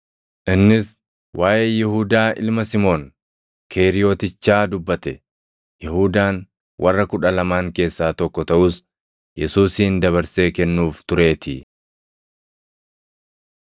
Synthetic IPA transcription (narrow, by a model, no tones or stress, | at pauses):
ʔɪnːɪs | wʔaːʔeːjɪhʊd̪aːʔɪ̰lmɐsɪmo̞ːn | kʰeːɾɪjo̞ːt̪ɪt͡ʃːaːd̪ʊbːɐt̪ɛ | jɪhuːd̪aːn | wʔɐrːɐkʊᶑɐlɐmaːŋke̞ːsːaːt̪ɔkːɔt̪ɐʔʊs | jɛsuːsiːnd̪ɐβɐɾse̞ːkɛnːuːft̪ʊɾe̞ːt̪ɪ